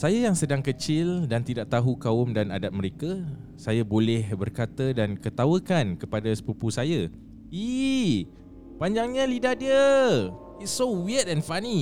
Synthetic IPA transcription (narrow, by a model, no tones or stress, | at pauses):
sajajaŋsədaŋkət͡ʃɪldant̪idaʔ̚t̪aɦukaʊmdanadat̪̚məɾekasajabolɛhbərkat̪ədankət̪awəkankəpadasə̥pəpusaja | i | paɲd͡ʒaŋɲãlidahdiə | itsowiətɛ̃nfani